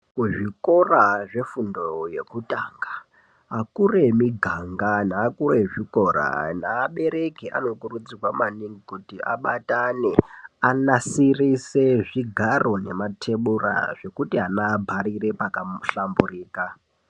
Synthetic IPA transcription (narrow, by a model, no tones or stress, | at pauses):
kuʐiko̞raʐe̞fundo̞je̞kutaːŋɡa | ɦakure̞miɡʱaŋɡanaːkure̞ʐiko̞ɾa̰naːɓe̞ɾe̞kiʔa̰no̞kurud͡ziwamaniŋɡikutia̰ɓataneanasiriseʐiɡʱaro̞ne̞matʰe̞ɓura̰ʐe̞kutiɦanabʱaɾire̞pakaɬamburiːka